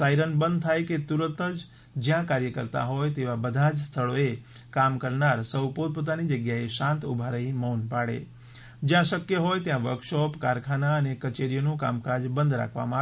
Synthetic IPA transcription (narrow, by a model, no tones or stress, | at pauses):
saiɾənbə̃nd̪̚t̪ʰajket̪uɾənt̪əd͡ʒ | d͡ʒjãkaɾjəkəɾt̪a̰ɦɔjt̪eʋabəd̪ʱad͡ʒst̪ʰəɭoe | kamkəɾnaɾsəwpod̪̚pot̪̬anid͡ʒəɡjaeʃãnt̪ṵbʱaɾəɦĩmɔːnpaɽḛ | d͡ʒjãʃəkjəɦojt̪jãʋəɾkʃɔpkaɾkʰanaənekət͡ʃeɾijonũka̰mkad͡ʒbə̃nd̪ɾa̰kʰʋa̰mãa